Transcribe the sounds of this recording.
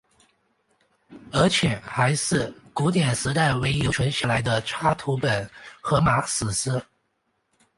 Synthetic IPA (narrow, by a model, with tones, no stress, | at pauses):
ə˞˧˥t͡ɕʰjɛ˨˩˦xa˧˥ɪʂɻ̩˥˩ku˧˥t̪̬jɛ˨˩nsɹ̩˧˥t̪a˥˩ɪwe˧˥ɪjo˧˥ʊʈ͡ʂʰwə˧˥nɕja˥˩la˧˥ɪd̪ə˧ʈ͡ʂʰa˥t̪ʰu˧˥pə˨˩nxɤ˧˥ma˧˥sɹ̩˨˩sɹ̩˥